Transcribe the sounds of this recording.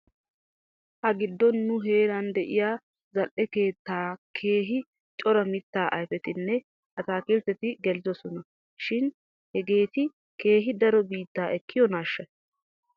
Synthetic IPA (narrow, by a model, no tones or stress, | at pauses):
hɐɡɪd̪ːɔnːʊɦe̞ːɾɐnd̪ɛʔɪjaː | zɐlʔɛke̞ːt̪ːaːkʰe̞ːɦɪ | t͡ʃʼɔɾɐmɪt̪ːaːʔɐjfɛt̪ɪnːɛ | ʔɐt̪aːkɪlt̪ːɛt̪ɪɡɛlɪzɔsɔnɐ | ʃɪn | hɛɡe̞ːt̪ɪ | ke̞ːɦɪd̪ɐɾɔbiːt̪ːaːʔɛkʰːɪjɔnaːʃːɐ